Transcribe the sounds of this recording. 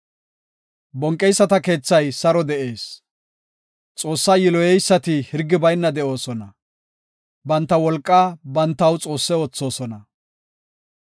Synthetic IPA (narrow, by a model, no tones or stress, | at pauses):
bɔŋkʼːɛjsːɐt̪ɐke̞ːt͡sːɐjsɐɾɔd̪ɛʔe̞ːs | t͡sʼo̞ːsːaːjɪlɔjɛjsːɐt̪ɪhɪɾɡːɪbɐjnːɐd̪ɛʔo̞ːsɔnɐ | bɐnt̪ːɐwɔlkʼːaːbɐnt̪ːɐwt͡sʼo̞ːsːɛot͡sːo̞ːsɔnɐ